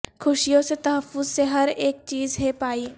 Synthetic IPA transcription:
kʰʊʃijõset̪ɐɦəfːʊzseɦɐɾeːk̚t͡ʃiːzɦepaːiː

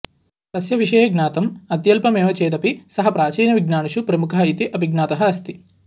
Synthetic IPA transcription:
t̪ɐsjɐʋiʂɐjɐɡnaːt̪ɐmɐt̪jɐlpɐmeːʋɐt͡ʃeːd̪ɐpisɐɦɐpɾaːt͡ʃiːnɐʋiɡnaːɳuʃupɾɐmukʰɐɦɐit̪iʔɐbʱiɡnaːt̪ɐɦɐɐst̪i̥

